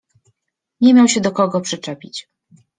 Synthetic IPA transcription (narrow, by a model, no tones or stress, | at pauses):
ɲɛmʲjawɕɛd̪ɔkɔɡɔpʂɛt͡ʂɛpʲit͡ɕ